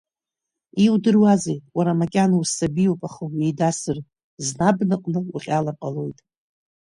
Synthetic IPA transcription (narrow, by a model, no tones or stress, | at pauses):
iwdɨrwazejtʼwaɾamakʲʼanausabijopʼaχəwejdasɨr | znabnɨqʼnɨuχʲʼalaqʼalo̞jtʼ